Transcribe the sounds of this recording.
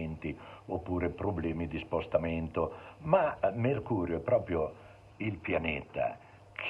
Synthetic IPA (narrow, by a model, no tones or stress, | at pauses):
nt̪iopːuːɾepɾoblɛːmid̪ispost̪amɛnt̪omamerkuːɾjoɛpːɾɔːpɾjo | ilpjanɛːt̪a̰ | kʰ